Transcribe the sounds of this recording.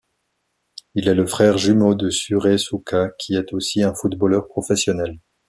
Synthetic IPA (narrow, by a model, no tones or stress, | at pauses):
ilɛləfχɛʁʒymod̪əsyʁesukʰakʲʰiɛt̪osiɛ̃fut̪bɔlœʁpχɔfɛsjɔnɛl